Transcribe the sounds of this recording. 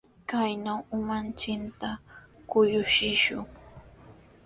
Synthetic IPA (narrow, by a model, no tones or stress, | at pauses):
kajnawʊmant͡ʃɪnt̪akʊjʊʃɪʃʊ̰ŋ